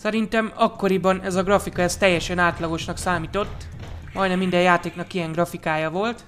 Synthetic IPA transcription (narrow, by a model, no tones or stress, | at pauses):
sɛɾint̪ɛmɒkːo̞ɾibɒnɛzɒɡrɒfikɒɛst̪ɛjːɛʃɛnaːt̪lɒɡo̞ʃnɒksaːmiːt̪o̞t̪ːmɒjnɛmːind̪ɛjaːt̪eːknɒkijɛŋɡrɒfikaːjɒvo̞lt̪